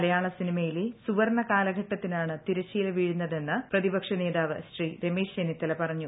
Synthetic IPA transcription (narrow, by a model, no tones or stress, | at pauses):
ɐlɐjaːɭɐsinimɐjilesuʋɐrnːɐkaːlɐɡʱɐʈːɐt̪ːinaːɳɨt̪iɾɐt͡ɕːijileʋiːɻunːɐðe̞nːɨprɐðibɐkʂɐneːðaːʋɨsriɾemiːʂenit̪ːɐlɐpɐrɐɲːu